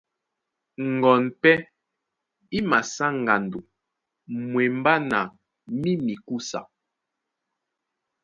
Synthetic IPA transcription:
ŋ˨ɡɔ˨npɛ˦ | i˦ma˨sa˦ŋ˨ɡa˨ndu˨ | mwɛ˨m˦ba˦na˨ | mi˦mi˨ku˦sa̰˨

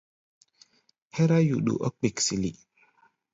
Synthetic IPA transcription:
hɛ˦ɾa˦ju˨ɗṵ˨ʔɔ˦k͡pi˨ksi˨li˦

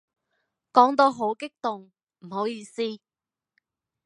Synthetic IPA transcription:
kɔː˨˥ŋt̪̬o˧ɦo˨˥wkɪ˥k̚t̪ʊ˨ŋ | m̩˨˩ho˨˥wjiː˧siː˥

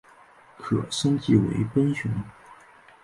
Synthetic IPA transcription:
kʰɤ˨˩ʂə˥ŋt͡ɕi˥˩wḛ˧˥ɪpə˥nɕu˧˥ŋ

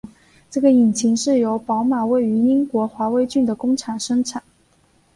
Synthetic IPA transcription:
ʈ͡ʂɤ˥˩ɡə˩i˨˩nt͡ɕʰi˧˥ŋʂɻ̩˥˩jo˧˥ʊpɑ˧˥ʊma˨˩we˥˩ɪy˧˥i˥ŋkwɔ˧˥xwa˧˥we˧˥ɪt͡ɕy˥˩nd̪ə˩kʊ˥ŋʈ͡ʂʰa˨˩nʂɤ˥ŋʈ͡ʂʰa˨˩˦n

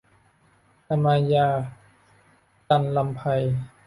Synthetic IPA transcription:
ta˧maː˧jaː˧˩ | t̪a˧˨nla˧mpʰa˧j

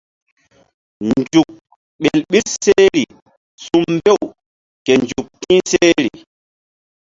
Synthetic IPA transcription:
nd͡ʒu˨k̚ | ɓe˨lɓi˦tse˦ɾi˨ | su˦mbɛ˦˨w | kɛ˨nd͡ʒu˨k̚tĩː˦seː˦ɾi˨

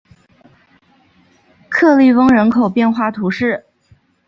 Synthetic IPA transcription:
kʰɤ˥˧li˥˩wɤ˥ŋɻə˧˥nkʰo˨˩ʊpjɛ˥˧nxwa˥˩t̪ʰu˧˥ʂɻ̩˥˩

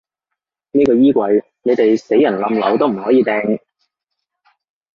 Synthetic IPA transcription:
niː˥kɔː˧jiː˥kʷɐ˨˧j | ne˨˧jt̪e˨jse˨˥jːɐ˨˩nlɐ˨˧mlɐ̰˨˧wt̪o˥wm̩˨˩hɔː˨˥jiː˨˧t̪ɛː˧ŋ

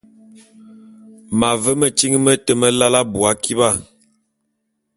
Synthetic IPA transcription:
ma˨və˦mə˨t͡ʃi˦ŋ˦mə˦tə˦mə˦la˦la˦bu˨a˦ki˦ba˦˨

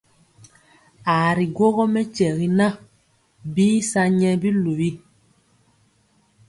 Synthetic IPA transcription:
a˨ɾi˨ɡwo˦ɣɔ˦mɛ˦t͡ʃɛ˨ɣi˦nã˦ | biː˦sa˦ɲɛ˦bi˦lu˨βi˦

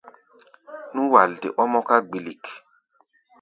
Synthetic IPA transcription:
nũ˦wa˨ldḛ˨ʔɔ˦mɔ˦ka˦ɡ͡bi˨li˨k

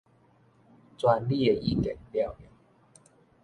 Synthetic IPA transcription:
t͡swa˧nli˥˦˨e˨ʔi˦˧˨kḛ˨˩nlja˥˩˨ʊi˨˦

